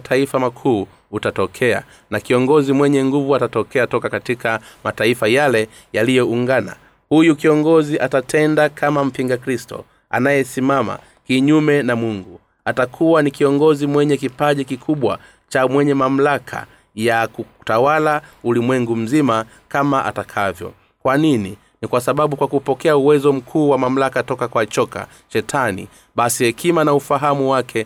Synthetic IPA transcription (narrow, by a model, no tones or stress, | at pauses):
tʰaifamakʰuː | tatɔkʰɛa̰ | nakiɔŋɡɔzimwɛɲɛŋɡuvuatatɔkɛatɔkakatikamataifajalɛ | jalijɔuŋɡana̰ | hujukiɔŋɡɔziʔatatʰɛndakʰamam̩piŋɡakɾistɔ̰ | a̰najɛsimama̰ | kiɲumɛnamwuŋɡu | atakʰuwanikiɔŋɡɔzimwɛɲɛkipaʄikikʰuɓwa | t͡ʃamwɛɲɛmam̩lakʰa̰ | jakutawalaulimwɛŋɡum̩zima | kamaʔa̰takʰavjɔ̰ | kwanini | nikwasaɓaɓukwakupɔkɛauwɛzɔm̩kʰuːwamam̩lakatɔkakwat͡ʃɔka̰ | ʃɛtʰanḭ | ɓasihɛkʰimanaufaɦamuwakʰɛ